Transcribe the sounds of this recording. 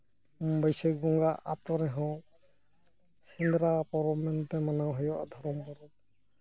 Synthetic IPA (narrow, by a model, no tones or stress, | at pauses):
bɔjsek̚bɔŋɡaʔat̪ɔɾɛɦɔ̃ | sind̪ɾapɔɾɔmɛnt̪ɛmanawɦɔjɔʔa̰d̪ʱɔɾɔmpɔɾɔp̚